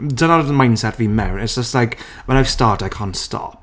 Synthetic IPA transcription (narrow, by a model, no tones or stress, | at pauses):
dʌnaəmãɪ̃nd̥sɛt̚b̥imɛɹə̃nɪtsd̥ʒ̥ʌstlaɪk | wə̃naɪv̥stɑːˑɹtdaɪkʰɑ̃ntstɔ̰p̚